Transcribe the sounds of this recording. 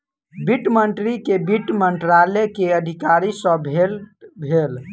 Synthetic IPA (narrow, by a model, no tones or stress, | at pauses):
biʈməɳʈɾikebiʈməɳʈɾalekeəd̪ʱikaɾisə̃bʱelbʱel